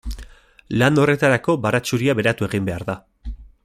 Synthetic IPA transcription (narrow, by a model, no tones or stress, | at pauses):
lano̞re̞t̪aɾako̞baɾat͡ʃuɾiaβe̞ɾat̪ue̞ɣimbe̞aɾða